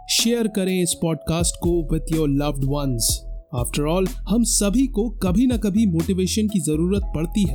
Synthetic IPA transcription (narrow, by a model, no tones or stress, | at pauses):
ʃeːəɾkɐɾẽɪspɔːɖkaːsʈkoʋɪd̪jɔːɾlɐʋɖʋɐnzaːfʈəɾɔːlhɐmsɐbʱikokɐbʱinɐkɐbʱimoːʈiʋeːʃənkizɐɾuːɾət̪̚pɐɽt̪iɦɛː